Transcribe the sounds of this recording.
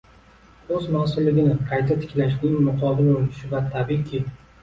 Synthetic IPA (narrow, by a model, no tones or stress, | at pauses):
ɵzmasʊlːɪɡʲɪnɪqʰɑjt̪ʰat̪ʰɪ̥kʲlaʃnɪŋmʊqʰɒbɪlolɪʃɪvat̪ʰabikʲʰɪ